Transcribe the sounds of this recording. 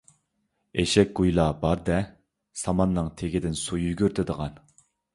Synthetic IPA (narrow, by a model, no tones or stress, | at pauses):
eʃɛk̚ʲɡ̥ujlˠɑbɑɾd̪ɛ | sɑmɑnːɨŋt̪ʰeɡʲɪd̪ɪnsujyɡʲyɾt̪ʰɪd̪əʁɑn